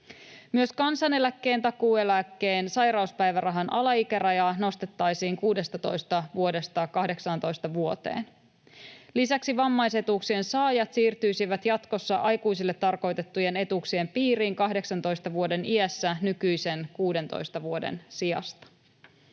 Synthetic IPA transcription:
myø̞skɑnsɑne̞lækːe̞ːnt̪ɑkuːe̞lækːe̞ːnsɑjɾɑuspæjʋærɑɦɑnʔɑlɑikæɾɑjɑno̞st̪et̪ːɑjsiːŋkuːde̞st̪ɑt̪o̞jst̪ɑʋuo̞de̞st̪ɑkɑhde̞ksɑnt̪o̞jst̪ɑʋuot̪e̞̰ːn | lisæksiʋɑmːɑjse̞t̪uksie̞nsɑːjɑt̪siːrt̪yjsiʋæt̪jɑt̪ko̞sːɑʔɑjkujsilːe̞t̪ːɑrko̞jt̪e̞t̪ːuje̞ne̞t̪uksie̞mpiːɾiːŋkɑɦde̞ksɑnt̪o̞jst̪ɑʋuo̞de̞niæsːænykyjse̞nkuːde̞nt̪o̰jst̪ɑʋuo̞dḛnsiɑ̰st̪ɑ̥

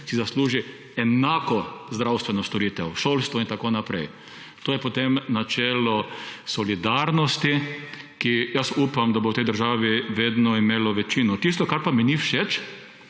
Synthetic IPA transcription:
sizasluːʒi | ɛnaːkɔzd̪ɾawst̪ʋɛnɔst̪ɔɾiːt̪ɛwʃoːlst̪ʋɔint̪akonapɾɛ̰j | t̪oːjɛpot̪emnat͡ʃɛːlɔsɔlid̪aɾnɔst̪i | kijasuːpamd̪abowt̪ɛjd̪əɾʒaːʋiʋeːd̪nɔimeːlɔʋɛt͡ʃinɔt̪is̬t̪ɔkaɾpaminifʃet͡ʃ

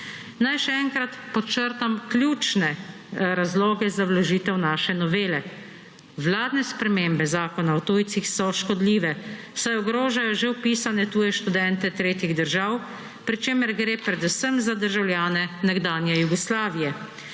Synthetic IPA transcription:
najʃɛɛŋkɾat̪pɔt͡ʃəɾt̪amklʲjuːt͡ʃnɛ | ɾazloːɡɛzawlaʒiːt̪ɛwnaːʃɛnɔʋeːlɛ | wlaːd̪nɛspɾɛmeːmbɛzaːkɔnawt̪uːjt̪sixsɔʃkɔd̪liːʋɛ | sajɔɡɾoːʒajɔʒewpiːsanɛt̪uːjɛʃt̪ud̪ɛnt̪ɛt̪ɾeːt̪jiɣd̪əɾʒaw | pɾit͡ʃeːməɾɡɾeːpɾɛd̪usəmzad̪əɾʒawlʲjaːnɛnɛɡd̪aːnjɛjuɡɔslaːʋijɛ

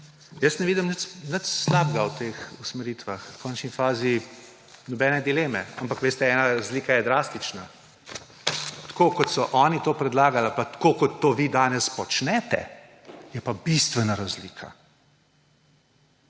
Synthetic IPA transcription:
jəsnɛʋiːd̪imnət͡ʃnət͡ʃslaːbɡawt̪eːxusmɛɾiːt̪ʋaxkʰɔnt͡ʃnifaːzi | nɔbɛːnɛd̪ileːmɛampakʋeːst̪ɛɛnaɾazliːkajɛd̪ɾaːst̪it͡ʃna | t̪koːkɔt̪sɔʔɔːnit̪oːpɾɛd̪laːɡalapat̪koːkɔt̪ːoːʋid̪aːnɛspɔt͡ʃnɛːt̪ɛ̰ | jɛpabist̪ʋɛnaɾazliːkʰa̰

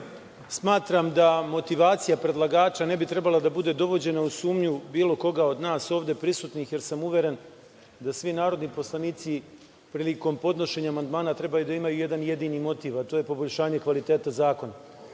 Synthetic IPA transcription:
smaːt̪ɾamd̪amo̞t̪iʋaːt̪sijapɾe̞d̪lˠaɡaːt͡ʃane̞bit̪ɾe̞balad̪abud̪e̞d̪o̞ʋo̞d͡ʑe̞nausuːmɲubiːlo̞ko̞ɡao̞d̪naːso̞ːʋd̪e̞pɾisut̪nixje̞ɾsamuʋje̞ɾe̞n | d̪asʋinaːɾo̞d̪nipo̞slˠaniːt̪si | pɾiːliko̞mpo̞d̪no̞ʃe̞ɲaːmand̪maːnat̪ɾe̞bajud̪aimajuje̞d̪anje̞d̪inimo̞t̪iːʋat̪o̞ːje̞po̞bo̞ʎʲʃaːɲe̞kʋalit̪e̞ːt̪azaːko̞na

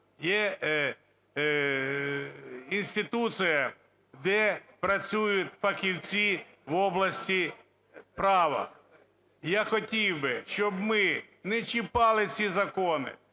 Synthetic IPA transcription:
jɛ | inʲsʲt̪ʲɪt̪usɨjɐ | d̪ɛpɾɐt͡sʲujʊtʲfɐkʲiwʲt͡sʲi | ʋɔblˠɐsʲtʲi | pɾɑʋɐ̰ | jaxɔtʲiwbɪʃt͡ʃɔbmɪnɛt͡ʃɪpɑlˠɪt͡sʲizɐkɔnɪ̰

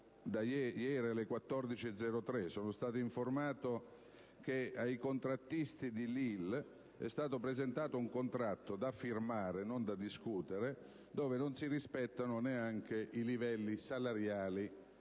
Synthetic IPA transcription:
d̪ajɛjɛːɾialːɪkwat̪ːɔrd̪it͡ʃiɛd̪zːɛɾot̪ɾɛsɔːnost̪aːt̪iiɱformaːt̪o | k̟eajkont̪ɾat̪ːist̪id̪ilil | ɛ̰st̪aːt̪opɾezent̪aːt̪ouŋkont̪ɾat̪ːod̪afirmaːɾenond̪ad̪iskuːt̪eɾe | d̪oːvenonsiɾispɛt̪ːanoneaŋk̟eʔilivɛlːisalaɾjaːli

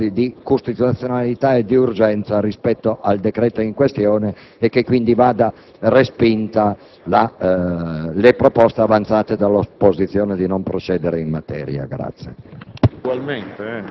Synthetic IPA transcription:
id̪ikust̪it̪ut̪sjonalit̪aed̪iurd͡ʒɛnt̪saɾispɛt̪ːoʔald̪ekɾɛːt̪oiŋkwest̪jɔːneː | kːekːwind̪ivaːd̪a | respint̪a | la | lepɾopɔst̪eavant̪saːt̪ed̪alːopozit̪sːjɔːned̪inompɾot͡ʃɛːd̪eɾeimmat̪ɛ̰ːɾja̰ɡɾa̰t̪sːjḛuɡwalment̪eɛ

